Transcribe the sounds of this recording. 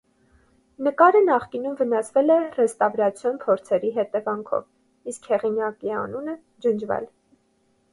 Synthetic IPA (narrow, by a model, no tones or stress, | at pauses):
nəkɑɾənɑχkinumvənɑsvɛlɛrɛst̪ɑvɾɑt͡sʰjɔnpʰɔɾt͡sʰɛɾiɦɛt̪ɛvɑŋkʰɔ̰v | iskhɛʁinjɑkiɑ̰nunə | d͡ʒənd͡ʒvɛ̰l